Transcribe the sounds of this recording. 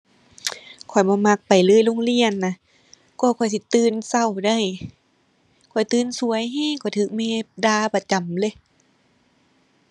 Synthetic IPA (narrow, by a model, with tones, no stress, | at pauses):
kʰɔ˨˩jbɔː˧˦ma˧k̚pa˨jlɤː˧˥˨jlo˧˥˨ŋli˧˨ənːa˧˦ | kɔː˧˩kʰɔ˨˩js̬i˧˦t̪ɯː˧˥˨nsa˧˩˨wda˧˩˨j | kʰɔ˨˩jt̪ɯː˧˥˨nsu˧əjɦaː˧˥˨kʰɔ˧˨˩jt̪ʰɯː˧˦k̚mɛː˧˥˩daː˧˩pa˧t͡ɕa˨˩mlɤ˧˦˨